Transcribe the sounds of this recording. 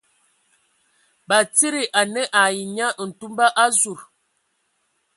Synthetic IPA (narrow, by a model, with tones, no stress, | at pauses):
ba˨t͡si˦ɾi˨ʔa˨nə˦ʔa˨ji˨ɲa˦ʔn̩˨tu˦mba˦ʔa˦zu˨ɾ